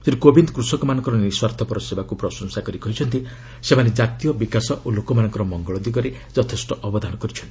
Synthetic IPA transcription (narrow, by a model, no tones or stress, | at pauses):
t̪iɾikobind̪ɔkɾusɔkɔmanɔŋkɔɾɔniswaɾt̪ʰɔpɔɾɔsebakupɾɔsɔŋsakɔɾikɔɦit͡ʃʰɔnt̪i | semaned͡ʒat̪ijɔbikasɔʔulokɔmanɔŋkɔɾɔmɔŋɡɔɭɔd̪iɡɔɾe | d͡ʒɔt̪ʰesʈɔʔɔbɔd̪ʱañɔkɔɾit͡ʃʰɔnt̪i